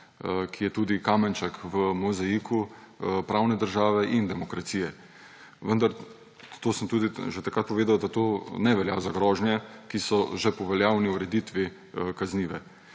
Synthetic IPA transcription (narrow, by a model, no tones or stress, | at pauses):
kʰijɛt̪uːd̪ikaːmɛnt͡ʃakʋəmɔzajikʰupɾaːwnɛd̪əɾʒaːʋɛʔind̪ɛmɔkɾat̪siːjɛ | ʋənd̪aɾ | t̪oːsəmt̪uːd̪iʒɛt̪akɾat̪̚pɔʋeːd̪awd̪at̪oːnɛʋɛljaːzaɡɾɔːʒnjɛkisɔʒɛpɔʋɛljaːwniuɾɛd̪it̪ʋi | kazniːʋɛ